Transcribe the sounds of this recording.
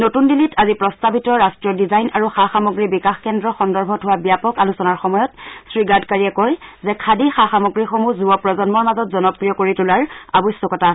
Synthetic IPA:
notundilitʰazipɹɔstabitɔɹastɹijɔdizajnʔaɹuxaxamoɡɹibikaxkɛndɹɔxɔndɔɹbʱɔtʰʊwabijapɔkalusɔnaɹxɔmɔjɔtsɹiɡadkaɹiɛkɔjzɛkʰadixaxamoɡɹixomuzuɔpɹɔzɔnmɔɹmazɔtzɔnɔpɹijɔkoɹitulaɹabɔjsːɔkɔta

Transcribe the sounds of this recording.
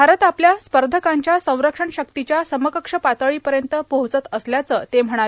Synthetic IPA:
bʱaɾət̪apljaspəɾd̪ʱəkãɲt͡ɕjasə̃w̃ɾəkʂəɳɕəkt̪it͡ɕjasəməkəkʂəpat̪əɭiːpəɾjənt̪əbəɦut͡sət̪əsljat͡səːt̪em̤əɽ̃a

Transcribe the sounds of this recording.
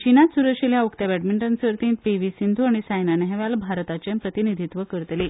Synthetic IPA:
t͡ɕinat̪suɾəkʂiljaukt̪abɛʈmiɳʈənsəɾt̪ĩnt̪̚peʋisind̪ʱuaɽ̃isajnanɛɦeʋalbʱaɾt̪at͡ɕempɾət̪inid̪ʱit̪ʋəkəɾət̪le

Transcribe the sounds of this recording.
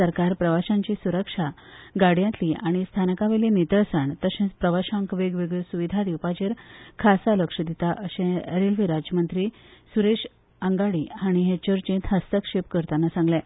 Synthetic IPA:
əɾkaɾpɾəʋaɕãɲt͡ɕisuɾəkʂa | ɡaɽ̤jãnt̪liʔaɽ̃ist̪ʰanəkaʋelenit̪əɭsaɳt̪əɕẽpɾəʋaɕãŋkʋeɡʋeɡəsuʋid̪ʱad̪iwpat͡ɕeɾkʰasaləkʂəd̪it̪aʔəɕẽɾelʋiɾad͡ʑjəmənt̪ɾiːsuɾeɕ | əŋɡaɽiɦaɽ̃iɦet͡ɕəɾt͡ɕẽt̪ɦəst̪əkʂepkəɾt̪anasãŋɡlɛ

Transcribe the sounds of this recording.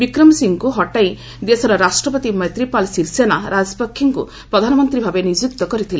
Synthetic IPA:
bikɾɔmsiŋkuɦɔʈaj | d̪esɔɾɔɾasʈɾɔpɔt̪imɔjt̪ɾipalsiɾsenaɾad͡ʒɔpɔkʰːiŋkṵ | pɾɔd̪ʱanɔmɔnt̪ɾibʱabenid͡ʒuk̚t̪ɔkɔɾit̪ʰile

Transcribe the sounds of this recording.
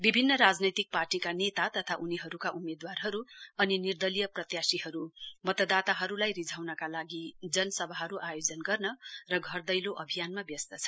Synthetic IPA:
bibʱinːʌɾad͡znʌjt̪ik̚parʈikanet̪at̪ʌt̪ʰaʔuniɦʌɾukaʔumed̪warɦʌɾuʌninird̪ʌlijʌprʌt̪jasiɦʌɾumʌt̪ʌd̪at̪aɦʌɾulajrid͡zʱawnʌkalaɡid͡zʌnʌsʌbʱaɦʌɾuʔajod͡zʌnɡʌrnʌrʌɡʱʌrd̪ʌjloʔʌbʱijanmabjʌst̪ʌt͡sʰʌ̥

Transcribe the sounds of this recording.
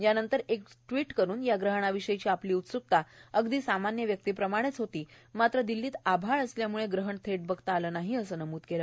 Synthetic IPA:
janənt̪əɾekʈʋiʈkəɾuːnjaɡɾəɦəɳaʋiɕəjt͡ɕiːapliːut̪suk̚t̪aəɡd̪iːsamanjəʋjək̚t̪iːpɾəmaɽ̃et͡sɦot̪iː | mat̪ɾəd̪ilːiːt̪abʱaɭəsljamuɭeɡɾəɦəɳt̪ʰeʈ̚bəɡt̪aːləːnaɦiəsəːnəmuːt̪kelə

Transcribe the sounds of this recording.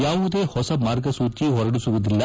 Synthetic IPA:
jaːʋud̪e̞ːhɔsɐmaːɾɡɐsuːt͡ʃiɦɔɾɐɽusuʋud̪ilːɐ

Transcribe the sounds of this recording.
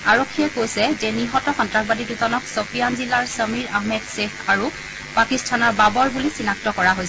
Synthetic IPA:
aɹokʰːijɛkojsɛzɛniɦɔtɔxɔntɹakbadiduzɔnɔksopijanzilaɹsəmiɹaɦmɛdsexaɹu | pakistʰanɔɹbabɔɹbulisinak̚tɔkɔɹaɦojs

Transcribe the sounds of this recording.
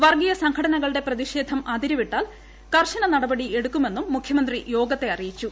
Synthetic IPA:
ʋɐrɡijɐsɐŋkʰɐɽɐnɐɣɐɭɨɽe̞prɐðiʂe̞ːd̪ʱɐmʔɐd̪iɾɐʋiʈːaːl | kɐrɕɐnɐnɐɽɐbɐɽie̞ɽukːume̞nːumːukʰjɐmɐnd̪rijo̞ːɡɐt̪ːe̞ɐrijit͡ɕːu

